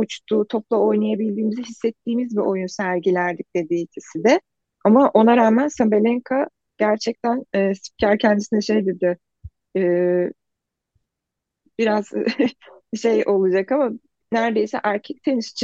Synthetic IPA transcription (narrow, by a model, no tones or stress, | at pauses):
ut͡ʃt̪ʰuːt̪ʰo̞plˠao̞jnajabilʲd̪iːmiziɦisːɛt̪ʰːiːmizbiʔo̞junsæɾɟilʲæɾd̪ic̚d̪̥e̞d̪iːt̪ʰisid̪ɛ | amaʔo̞naɾaːmænsabelʲɛŋkʰa | ɟ̥æɾt͡ʃʰɛc̚t̪ʰænːsi̥p̚cʰaɾcʰɛnd̪isinɛʃejd̪ed̪ɪ | ɛː | biɾaz̥ | ʃe̞jʔo̞lˠud͡ʒakama | næɾd̪e̞jsɛʔæɾcʰɛc̚t̪ʰeniʃi̥t͡ʃʰ